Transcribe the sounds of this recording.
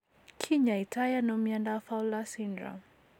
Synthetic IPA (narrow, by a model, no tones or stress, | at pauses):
kʰiɲaitajanɔmiandafawlasindɾa̰